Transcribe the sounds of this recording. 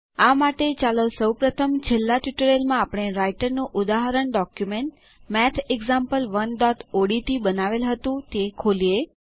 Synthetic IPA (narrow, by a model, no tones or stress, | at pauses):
amaʈet͡ʃaləsəwpɾət̪ʰəmd͡ʒelːaʈjuʈəɾelmãapəɳ̃eɾaiʈəɾnũʔʊd̪aɦəɾəɳɖɔkjumeɳʈ | mɛt̪ʰeɡzampəlʋənɖɔʈoɽit̪ibənaʋelɦət̪ũt̪ekʰolie